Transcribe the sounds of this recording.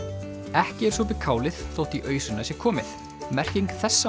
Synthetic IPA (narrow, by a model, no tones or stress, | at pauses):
ɛhcɪɛɾ̥sɔp̬ɪkʰaːwlɪðθowht̪iʔœːɥsʏnːasjɛɾkʰɔːmɪθ | mɛr̥ciŋkθɛsːa